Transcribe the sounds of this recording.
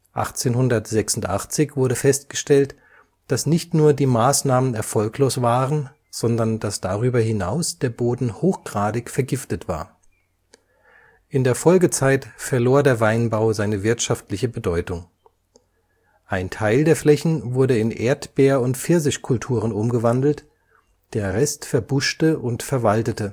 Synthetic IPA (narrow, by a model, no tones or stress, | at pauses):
ʔa̰χt͡seːnhʊndɐtz̥ɛksʊntʔa̰χt͡sɪçv̥ʊɐɾəfɛst̚ɡ̥əʃtɛlt | d̥asnɪçtnuːɐdiːmaːsnaːmənɛɐfɔlkʰloːsv̥aːʁən | z̥ɔndɐnd̥asd̥aʁyːbɐhɪnaʊsd̥eːɐboːdn̩hoːxɡ̥ʁaːdɪçfɛɐɡɪftətv̥a̰ːɐ | ʔɪndeːɐfɔlɡət͡saɪtfɛɐloːɐdeːɐvaɪnbaʊzaɪnəvɪɐtʃaftlɪçəbədɔʏtʊŋ | ʔaɪntʰaɪldeːɐflɛçn̩vʊɐdəɪnʔḛːɐtb̥eːɐʊntfɪɐzɪʃkʰʊltʰuːʁ̞ənʊmɡəvandl̩t | d̥eːɐʁɛstfɛɐbʊʃtəʔʊntfɛɐvaltətə